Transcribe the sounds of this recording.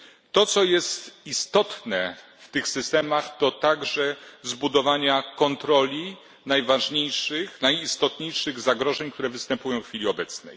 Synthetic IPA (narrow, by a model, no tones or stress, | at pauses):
t̪ɔt̪sɔjɛst̪ist̪ɔt̪nɛft̪ɘxsɘst̪ɛmaxt̪ɔt̪aɡʐɛzbud̪ɔvaɲakɔnt̪ɾɔlʲi | najvaʐɲejʂɘxnajist̪ɔt̪ɲejʂɘɣzaɡɾɔʐɛɲkt̪uɾɛvɘst̪ɛmpujɔ̃w̃fxfʲilʲiɔbɛt̪snɛ̰j